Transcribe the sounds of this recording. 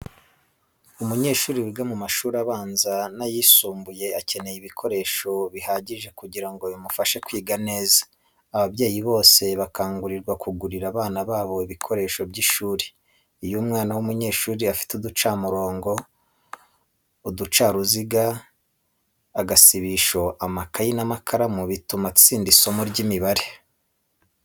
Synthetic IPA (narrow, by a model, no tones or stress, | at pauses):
umuɲe̞ːʃuːɾiwiɡamumaʃuːɾaβaːnzanajiːsuːmbuje̞ace̞ne̞jiβikʰo̞ɾe̞ːʃo̞βihaɟiʒe̞kuɟiɾaŋɡojimufaʃe̞kwiːɡane̞ːzḁː | βaβɟaːjiβo̞ːse̞βakaːŋɡuɾiɾɡwakʰuɡuɾiɾaβaːnaβaːβo̞iβikʰo̞ɾe̞ːʃo̞bɟiʃuːɾe | ijumŋaːnawumuɲe̞ːʃuːɾiafi̥tudut͡ʃaːmuɾo̞ːŋɡo̞ | udut͡ʃaːɾuziɡa | aɡasiβiʃo̞ʔamakajinamakʰaɾamuβitumat͡siːndiso̞muɾɟimiβaɾe